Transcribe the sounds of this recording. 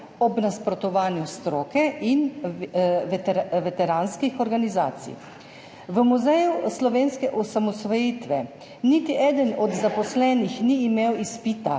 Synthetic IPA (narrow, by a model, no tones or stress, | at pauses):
ɔbnaspɾɔt̪ɔʋaːnjust̪ɾoːkɛʔin | ʋʋɛt̪ɛɾaːnskixɔɾɡaniza̰ːt̪sḭj | ʋəmuzɛjuslɔʋeːnskɛʔɔsamɔsʋɔjiːt̪ʋɛ | nit̪iʔɛːd̪ənɔd̪zapɔslɛːnixniːmewispit̪a̰